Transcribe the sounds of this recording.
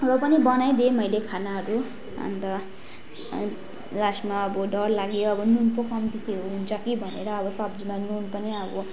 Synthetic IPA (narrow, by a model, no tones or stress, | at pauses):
rʌpʌnibʌnajd̪imʌjlekʰanaɦʌɾu | ʌ̰nt̪ʌ | lasmaʌbʌɖʌrlaɡejoʌbʌnunpokʰʌmt̪it̪ʰiɦoɦunt͡sʰʌkibʱʌnḛɾʌʌbʌsʌbd͡zimanunpʌniʌbʌ